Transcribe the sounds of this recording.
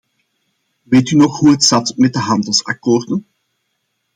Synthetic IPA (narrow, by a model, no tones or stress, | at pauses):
ʋeːtynɔχɦuɦətsɑtmɛt̚dəɦɑndəlˠsa̰koːrdən